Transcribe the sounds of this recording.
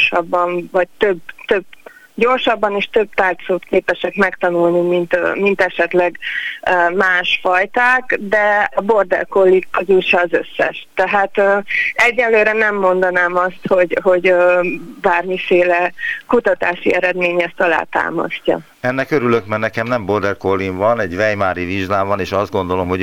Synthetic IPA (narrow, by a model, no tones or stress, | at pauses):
ʃɒbːɒɱvɒc̚t̪øbt̪øb | ɟo̞rʃɒbːɒniʃt̪ø̞b̚t̪aːrt̪soːt̪keːpɛʃɛkmɛkt̪ɒnulnimint̪ːmint̪ɛʃɛt̪lɛɡ | maːʃfɒjt̪aːkd̪ɛɒbord̪ɛ̰lkolːikːøzuʃɒːzø̞sːɛ̰ʃt̪ɛɦaːt̪øːɛɟːɛlløːɾɛnɛmːo̞nd̪ɒnaːmɒst̪ho̞ɟɦo̞ɟøbaːrmifeːlɛkut̪ɒt̪a̰ːʃḭɛɾɛd̪meːɲɛst̪ɒla̰ːt̪a̰ːmɒ̰scːɒ̰ | ɛnːɛkøɾylø̞kmɛnɛkɛmnɛmbo̞rd̪ɛrkolːinvɒnɛɟʋɛjmaːɾiviʒlaːvɒneːʃɒzd̪̚ɡo̞nd̪o̞lo̞mɦo